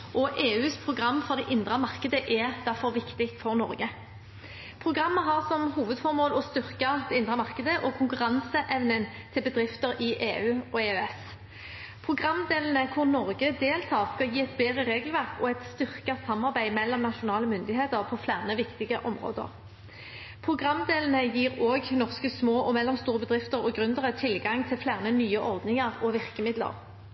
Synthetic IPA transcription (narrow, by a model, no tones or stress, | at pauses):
ʔɔʔeːʉːspʰʁʊɡʁɑmːfɔʁd̪ɛʔɪnd̪ʁəmɑʁkəd̪əʔɛd̪æʁfɔʁʋɪkt̪ɪkt̪fɔʁnɔ̰ɾɡə | pʰʁʊɡʁɑmːəɦɑʁsɔmhuːʋəd̪fɔʁmoːlɔst̪ʏʁkɑd̪ɛɪnd̪ʁəmɑʁkəd̪əʔɔkʰʊŋkʉʁɑnsəʔɛʋnən | t̪ʰɪlbəd̪ʁɪft̪əɾɪʔeːʉːɔeːʉɛs | pʰʁʊɡʁɑmːd̪eːlən̩əkʰʊʁnɔʁɡəd̪eːlt̪ʰɑːʁskɑjiːɛt̪beːd̪ʁəʁeːɡəl̩ʋæʁkɔɛt̪st̪ʏʁkɑsɑmːɑʁbæɪmɛlːɔmnɑʃʊnɑːləmʏnd̪ɪɦeːt̪əʁpʰɔflæːʁnəʋɪkt̪ɪɡəʔɔmʁo̰ːd̪ə̰ʁ | pʰʁʊɡʁɑmːd̪eːlən̩əjiːʁoːɡnɔʁskəsmoːʔɔmɛlːɔmst̪uːʁəbəd̪ʁɪft̪əʁɔɡʁʉnd̪əʁət̪ʰɪlɡɑŋt̪ʰɪlflæːʁnənyːəʔɔʁd̪nɪŋɑʁɔʋɪʁkəmɪd̪lə̰ʁ